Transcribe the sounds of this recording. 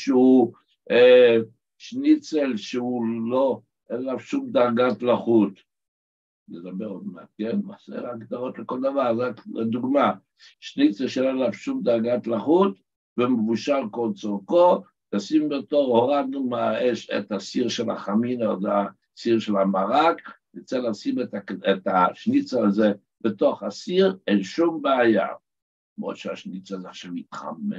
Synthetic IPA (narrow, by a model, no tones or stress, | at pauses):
ʃeu | e | ʃnit͡selʃeulo | ʔenlavʃumd̪aʁɡat̪laχut̪ | ned̪abeʁod̪meakenmasḛʁakd̪aʁot̪leko̞ld̪avaʁzakd̪uɡma | ʃnit͡selʃeenlavʃumd̪aʁɡat̪laχut̪ | vemevuʃalko̞lt͡soʁko | asimbet̪o̞ʁhoʁad̪numaeʃḛt̪asiʁʃela̰χaminaza | siʁʃelamaʁakjit͡selasimetaet̪aʃnit͡saːze | bet̪o̞χasiʁenʃumbeaja̰ | mo̰ʃeaʃnit͡sazeaχʃavit̪χa̰me